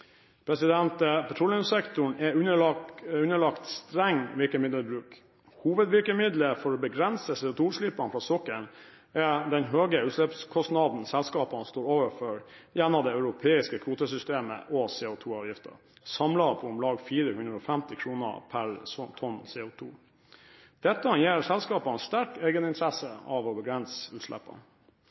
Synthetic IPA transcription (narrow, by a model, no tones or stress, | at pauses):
pʰɾɛsɪd̪ɛnt̪əpʰɛt̪ʰɾɔlɪʊmsɛkt̪ʊɳɛʉnəʉnəɭɑkt̪st̪ɾɛŋːʋɪɾkəmɪd̪əbɾʉːk | huːʋəd̪ʋɪɾkəmɪd̪ləfɔɾɔbəɡɾɛnsəsɛːʊt̪ʰuːʂlɪpɑnfɾɑːsɔkːəɳ | ɛd̪ɛnɦøːɡəʉːt̪lɛpskʰɔst̪nɑd̪n̩sɛlskɑːpɑnst̪oːɾoːʋəfɔɾjɛnːɔd̪ɛœʉɾʊpʰeːɪskəkʰʋuːt̪əsʏst̪eːmə̰ʔɔsɛːʊt̪ʰuːɑːʋjɪft̪ʰə̰ | sɑmlɑpʰɔʊmlɑːɡfiːɾəhʉnd̪ɾəɔfɛmt̪ɪkʰɾuːnə̰pʰæɾsɔt̪ʰɔnsɛːʊt̪ʰṵː | d̪̥ɛt̪ːəɑnjeːɾsɛlskɑːpɑɛst̪æɾkeːɡənɪnt̪ʰɾɛsəɑʋɔbəɡɾɛnsəʉːt̪ʂlɛ̰pːɑ̰n